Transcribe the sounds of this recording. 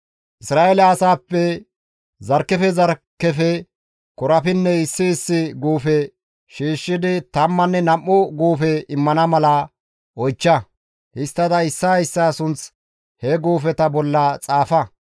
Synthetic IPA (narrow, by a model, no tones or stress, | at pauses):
ʔɪsɾaːʔelɐːsaːpːɛ | zɐɾkːɛfɛzɐɾkːɛfɛ | kɔɾɐfɪnːɛɪsːɪːsːɪɡuːfɛ | ʃiːʃːɪd̪ɪt̪ɐmːɐnːɛnɐmːɔɡuːfɛɪmːɐnɐmɐlɐ | ɔjt͡ʃːɐ | hɪst̪ːɐd̪ɐɪsːɐjsːaːsʊnt͡s | hɛɡuːfɛt̪ɐbɔlːɐt͡sʼaːfɐ